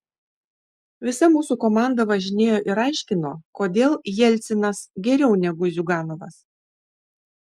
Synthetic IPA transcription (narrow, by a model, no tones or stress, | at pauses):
ʋʲɪsɐmuːsukoːmɑˑnd̪ɐʋɐʒʲɪnʲeːjoːʔɪɾɑˑɪʃʲkʲɪnoːkoːd̪ʲeːlˠjɛlʲt̪sʲɪnɐsɡʲɛɾʲɛʊnʲɛɡʊzʲʊɡɑːnoʋɐs